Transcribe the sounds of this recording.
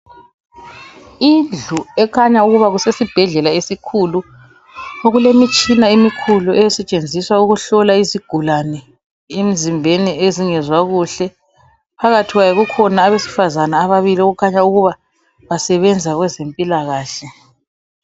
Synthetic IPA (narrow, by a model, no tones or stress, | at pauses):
ind͡ɮuɛkʰaɲauɣuβaɣusesib̥ʱɛɮɛlaesikʰulu | oɣulemit͡ʃʼinaimikʰuluʔɛjɛsɛt͡ʃʼend͡zʱiswauɣuɬɔlaiziɡ̥ʱulanɛ | em̩zimbʱenieziŋɛzwaɣuɬɛ | pʰaɣatʰiɣwajɛɣukʰɔnaːβesi̥fazanaːβaβilioɣukʰaɲauɣuβa | βasɛβɛnd͡zʱaɣwɛzempʼilaɣaːɬɛ